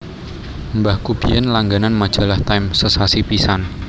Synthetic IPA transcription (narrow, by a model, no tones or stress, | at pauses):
mbahkub̥ijɛnlaŋɡananmad̥ʒ̥a̤laht̪ajmsəsasipisan